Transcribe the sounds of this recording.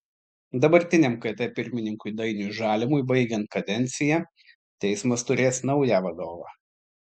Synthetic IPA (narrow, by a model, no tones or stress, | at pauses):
d̪ɐbɐɾʲt̪ʲɪnʲɛmkɐɪt̪ʲɛpʲɪɾʲmʲɪnʲɪŋkʊɪd̪ɐɪnʲʊʒɑːlʲɪmʊɪbɐɪɡʲɛnt̪̚kɐd̪ʲɛnʲt̪sʲɪjæ | t̪ʲɛɪsmɐst̪ʊɾʲeːsnɐʊjæːʋɐd̪oːʋɑː